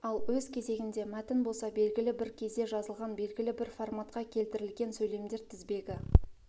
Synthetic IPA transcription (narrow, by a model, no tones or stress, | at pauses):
ɑlˠwɵzkʲʰe̞ze̞ɡʲɪnd̪e̞mæt̪ɪnbo̞lˠsɑbe̞lɡʲɪlɪbɪɾkʲʰe̞zd̪e̞ʒɑzəlˠʁɑnbe̞lɡʲɪlɪbɪɾformat̪qɑkʲʰe̞lt̪ɪɾɪlɡʲe̞nsɵjle̞md̪e̞ɾt̪ʰɪzbe̞ɡʲɪ